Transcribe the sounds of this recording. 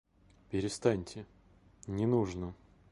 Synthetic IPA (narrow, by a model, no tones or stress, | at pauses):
pʲɪɾʲɪst̪anʲtʲɪ | nʲɪnuʐnə